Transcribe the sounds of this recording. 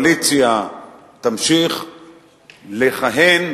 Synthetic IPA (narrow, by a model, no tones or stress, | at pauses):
lit͡sija | t̪amʃiχ | leχaɦen